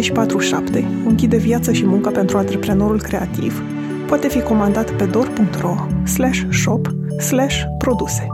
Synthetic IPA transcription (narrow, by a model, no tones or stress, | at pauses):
eʃi̥pat̪ɾuʃapt̪e̞ | ɨŋkʲid̪e̞vjat̪səʃimuŋkəpe̞nt̪ɾuant̪ɾe̞pɾe̞no̞ɾulkɾe̞at̪ḭv | poat̪e̞fiko̞mand̪at̪pe̞d̪o̞rpuŋk̚t̪ro̞ | slaʃʲʃo̞p | slaʃ | pɾo̞d̪use̞̥